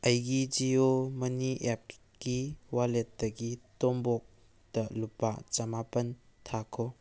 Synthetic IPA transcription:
ɐjɡid͡ʒiomɐniʔep̚ | kiwalet̚dɐɡitɔmbɔk̚ | d̥ɐlupːa̰t͡ʃɐmapɐntʰakʰo

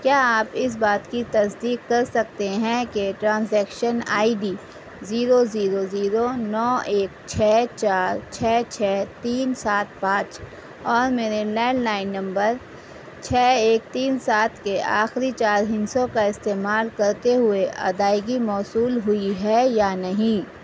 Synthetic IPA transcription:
kjaːaːpɪs̬baːt̪kit̪ɐsd̪iːkːɐɾsɐk̚t̪eɦɛ̃keʈɾãːnsɛːkʃənaːiɖiː | ziːɾoziːɾoziːɾonɔːeːkt͡ʃʰɛːt͡ʃaːɾt͡ʃʰɛːt͡ʃʰɛːt̪iːnsaːt̪̚ʰpãːt͡ʃ | ɔːɾmeːɾelɛːnnaːɪnːɐ̃mbəɾ | t͡ʃʰɛːeːk̚t̪iːnsaːt̪ʰkeʔaːxɾit͡ʃaːɾɦɪ̃nsõkaɪst̪eːmaːlkɐɾt̪eɦʊeʔɐ̰d̪aːɪɡimɔːsuːlɦʊiɦɛjanɐɦĩ

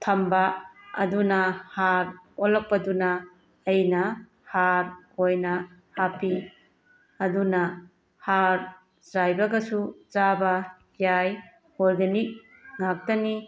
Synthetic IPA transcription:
tʰɐmbɐɐ̰dunɐhaɾɔlɐk̚pɐdunɐː | jnɐ | haɾojnɐhapi | ɐdunɐ | haɾ | zajbɐɡɐsuzabɐ | jaj | oɾɡenik̚ | ŋak̚tɐni

